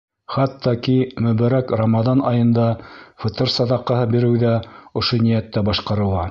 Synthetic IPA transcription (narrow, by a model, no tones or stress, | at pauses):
χɑt̪ːɑkimɵ̆βæɾækrɐmɑðɑnɑjɤ̆nd̪ɑfɤ̆t̪ɤɾsɑðɑqːɤ̆hɤbiɾɘ̆wðæŏʃonijæt̪ːæbɑʃqɑɾɤ̆lˠɑ